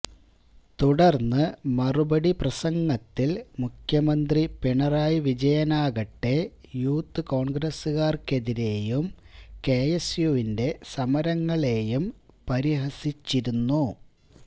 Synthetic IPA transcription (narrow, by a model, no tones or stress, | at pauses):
t̪uɽɐrnːɨmɐrubɐɽiprɐsɐŋɡɐt̪ːilmukʰjɐmɐnd̪ripiɳɐraːjʋid͡ʑɐjɐnaːɣɐʈːe̞ | juːt̪ːɨko̞ːɳɡɾɐsɨɣaːrke̞ðiɾe̞ːjumke̞ːjesjuʋinde̞sɐmɐɾɐŋːɐɭe̞ːjumpɐɾiɦɐsit͡ɕːiɾunːu